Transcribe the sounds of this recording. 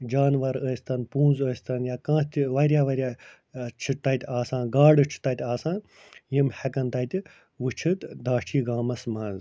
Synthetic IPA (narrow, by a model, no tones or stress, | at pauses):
d͡ʒaːnʋɐɾəːsʲt̪ɐnpũːnzəːsʲt̪ɐnjaːkãːt̪ʲʋɐɾʲjaːʋɐɾʲja | t͡ʃʰit̪ːɐt̪ʲaːsãːnɡaːɖɨt͡ʃʰi̥t̪ɐt̪ʲaːsãːn | jimhɛkɐnt̪ɐt̪ | ʋɨt͡ʃʰɨt̪d̪aːt͡ʃʰiːɡaːmɐsmɐːnz